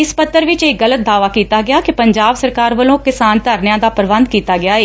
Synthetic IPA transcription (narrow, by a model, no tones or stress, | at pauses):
ɪspət̪ːəɾʋɪt͡ʃeːɣələt̪̚d̪aːʋaːkiːt̪aːɡɪaːkipəɲd͡ʒaːbsəɾkaːɾʋəlõːkɪsaːnt̪əɾnjãːd̪aːpəɾʋə̃nd̪̚kiːt̪aːɡɪaːeː